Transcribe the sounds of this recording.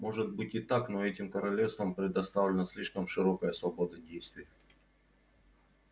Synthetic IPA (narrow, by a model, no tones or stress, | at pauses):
mo̞ʐɨt̪̚bɨtʲɪt̪aknoɛtʲɪmkəɾɐlʲefst̪vəmpɾʲɪd̪ɐst̪avlʲɪnəsʲlʲiʂkəmʂɨɾokəjəsvɐbod̪ədʲejst̪vʲɪjə